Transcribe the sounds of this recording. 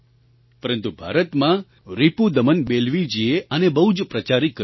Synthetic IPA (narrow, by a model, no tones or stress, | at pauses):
pəɾənt̪ubʱa̰ɾət̪mã | ɾipud̪əmənbelʋid͡ʒieʔənebəɦud͡ʒpɾət͡ʃaɾikːə